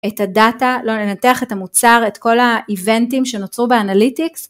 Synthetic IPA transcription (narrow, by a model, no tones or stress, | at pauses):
etadatalo̞nenateaχe̞tamut͡saʁe̞tko̞laive̞ntimʃe̞not͡sʁubeanalitiks